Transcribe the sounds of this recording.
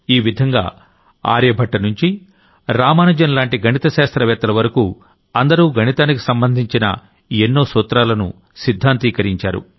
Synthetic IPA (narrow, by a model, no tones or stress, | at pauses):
iːʋid̪ʱɐŋɡa̰ː | a̰ːɾjɐbʱɐʈːɐnuɲt͡ʃi | ɾaːmaːnɐd͡ʒɐnlaːɳʈiɡʱɐnit̪ɐʃaːst̪ɾɐʋɛːt̪ːɐlɐʋɐɾɐkuː | ɐnd̪ɐɾuːɡʱɐnit̪aːnikisɐmbɐnd̪ʱiɲt͡ʃinɐ̰ | enːo̞ːsoːt̪ɾaːlɐnṵ | sid̪ʱːaːnt̪iːkɐɾiɲt͡ʃa̰ːɾṵ